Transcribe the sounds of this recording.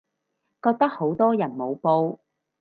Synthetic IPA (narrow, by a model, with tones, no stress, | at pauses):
kɔː˧k̚t̪ɐ˥k̚ho˨˥wt̪ɔː˥jɐ˨˩nmo˨˧wpo˧w